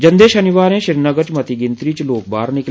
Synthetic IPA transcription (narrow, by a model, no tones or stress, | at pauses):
d͡ʒə̃nd̪eːʃənɪʋaːɾẽːʃɪɾnəɡət͡ʃmɐt̪iɡɪ̃nt̪ɾiːt͡ʃloːk̚baːɾnɪk